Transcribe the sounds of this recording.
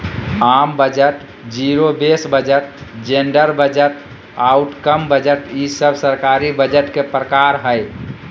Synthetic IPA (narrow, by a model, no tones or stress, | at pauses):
mambəd͡ʒəʈ | d͡ʒiɾobesbəd͡ʒəʈ̚d͡ʒeɳɖəɾbəd͡ʒəʈ | aʊʈkəmbəd͡ʒəʈisəbʱsəɾkaɾibəd͡ʒəʈkepɾəkaɾɦəj